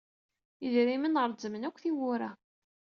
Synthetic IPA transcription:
əðɾimənʁəɾˤzəmənækʷːθiwʊɾæ

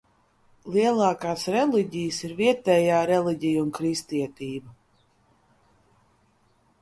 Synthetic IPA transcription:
lˠiɛlˠɑːkaːsɾɛlˠiɟijəsiɾviɛt̪ɛːjaːɾɛliɟijunkɾist̪iɛt̪iːba

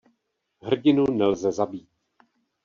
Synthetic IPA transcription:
ɦr̩ɟɪnunɛlzɛzabiːt̪̚

